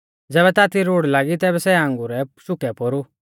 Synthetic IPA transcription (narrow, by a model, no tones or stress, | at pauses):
d͡zɛːbɛt̪aːt̪iɾoːɽlaːɡit̪ɛːbɛsɛãŋɡuɾɛsʊkɛpoɾu